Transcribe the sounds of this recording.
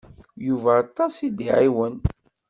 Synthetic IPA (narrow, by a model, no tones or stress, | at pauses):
juvæɑt̪ˤːɑsid̪iʕiwən